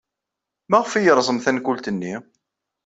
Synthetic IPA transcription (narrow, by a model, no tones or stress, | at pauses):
mæʁfijəɾˤzˤəmθænkult̪ənːi